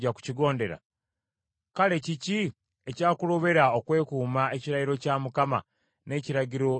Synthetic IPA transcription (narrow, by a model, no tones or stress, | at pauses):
aku̥ciɡo̞ːnde̞ɾa̰ | kale̞cici | ecaːkulo̞βe̞ɾao̞kwe̞ːkuːmaeciɾajiɾo̞camukama̰ | ne̞ːciɾaɟiɾo̞